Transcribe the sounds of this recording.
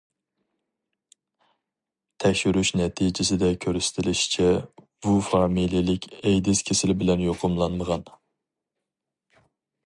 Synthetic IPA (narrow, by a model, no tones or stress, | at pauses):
t̪ʰɛkʲʃyɾyʃnɛt̪ʰid͡ʒɪsɪd̪ɛkʲʰøɾysɪ̥t̪ʰɪlɪʃi̥t͡ʃʰɛ | b̥ufɑmilijilɪkʲʰɛjd̪ɪzkʲʰesɪlɪbɪlɛnjoqʰʊmlˠɑnməʁɑn